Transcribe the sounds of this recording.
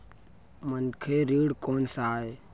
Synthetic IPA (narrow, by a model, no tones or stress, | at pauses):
mənkʰeːɾiːɽkoːnsaːeː